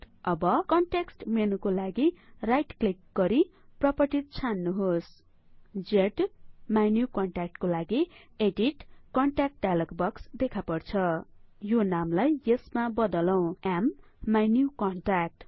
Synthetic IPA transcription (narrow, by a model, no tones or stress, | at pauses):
ʌbʌkʌɳʈeksʈmenukolaɡirajʈklikɡʌɾi | prʌpʌrʈit̪̚t͡sʰanːuɦos | d͡zeʈmajnjukʌɳʈak̚ʈkolaɡi | eɖiʈkʌɳʈak̚ʈ̚ɖalʌkbʌksd̪ekʰapʌrt͡sʰʌjonamlajesmabʌd̪ʌlʌw̃amː | ajnjukʌɳʈrak̚ʈ